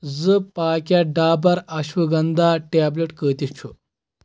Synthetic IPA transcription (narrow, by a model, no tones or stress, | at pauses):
d͡zəpaːkjaɖaːbɐɾɐɕʋəɡɐnd̪aʈableʈkəːt̪it͡ɕʰo